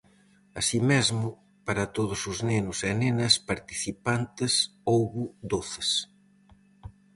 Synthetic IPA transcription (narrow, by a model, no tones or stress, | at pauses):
ɐsimezmʊ | paɾɐt̪oðʊsʊznenʊsɛnenɐspaɾt̪i̥θipant̪ɪsowɣʊd̪oθe̥s